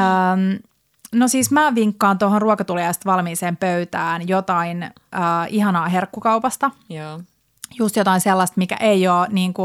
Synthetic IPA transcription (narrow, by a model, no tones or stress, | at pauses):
əːm | nosiːsmæːʋiŋkːɑːnt̪oɦonruɑkɑt̪uljɑjst̪ʋɑlmiːseːmpøyt̪æːnjot̪ɑin | ʔəːihɑnɑːɦerkːukɑwpɑst̪ɑ | just̪jot̪ɑinselːɑst̪mikæ̰ʔeioːniːŋku